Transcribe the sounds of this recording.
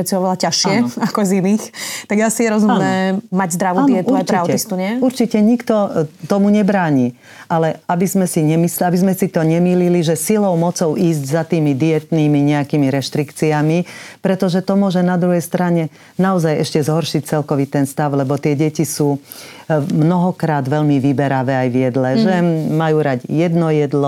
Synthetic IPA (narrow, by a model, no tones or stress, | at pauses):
ɛt͡siɔʋɛlacaʃɪɛakɔziniːxt̪aɡasijɛɾɔzumnɛːmaɟzd̪ɾaʋuaːniɛt̪uɔɾat͡ʃ̪ɾaʊt̪ist̪uɲɛuɾt͡ʃicɛɲikt̪ɔt̪ɔmuɲɛbɾaːɲiː | ʔalɛabizmɛsiɲɛmisabizmɛsit̪ɔɲɛmiːliliʒɛsilɔʊmɔt͡sɔʊiːzɟzat̪iːmid̪ijɛt̪niːmiɲɛakiːmiɾɛʃt̪ɾikt͡siamipɾɛt̪ɔʒɛt̪ɔmʊɔʒɛnad̪ɾuɦɛjst̪ɾaɲɛ | naɔzajɛʃcɛzɦɔɾʃic̚t͡sɛlkɔʋit̪ɛnst̪aʊlɛbɔt̪ɪɛɟɛcisuː | mnɔɦɔkɾaːd̪ʋɛʎmiʋibɛɾaʋɛːajʋjɛd̪lɛʒɛmajuːɾaɟjɛd̪nɔjɛd̪lɔ